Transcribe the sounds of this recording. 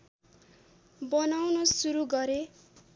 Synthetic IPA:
bʌnawnosuɾuɡʌɾe

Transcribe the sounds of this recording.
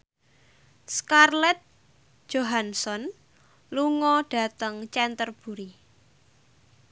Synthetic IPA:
skarlɛt̪̚ | d͡ʒ̥oɦansɔn | luŋɔɖ̥ä̤t̪əŋt͡ʃɛnt̪ərb̥ṳɾi

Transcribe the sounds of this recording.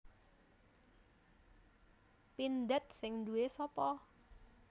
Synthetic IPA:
pind̪ɛt̪̚sɪŋd̪uesɔpɔ

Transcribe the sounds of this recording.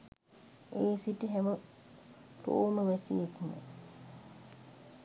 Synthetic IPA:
eːsitiɦæmə | t̪o̰ːməʋæsḭːkumə̰

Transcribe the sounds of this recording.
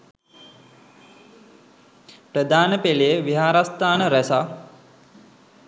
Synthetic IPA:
prəd̪aːnəpelijəʋiɦaːɾast̪aːnəɾɛsa

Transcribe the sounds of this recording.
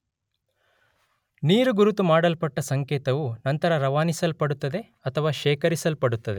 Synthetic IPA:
niːɾuɡuɾut̪umaːɽɐlpɐʈːɐsɐŋkɛːt̪ɐʋunɐnt̪ɐɾɐɾɐʋaːnisɐlpɐɽut̪ːɐd̪e̞ | ɐt̪ʰɐʋaːʃɛːkɐɾisɐlpɐɽut̪ːɐd̪e

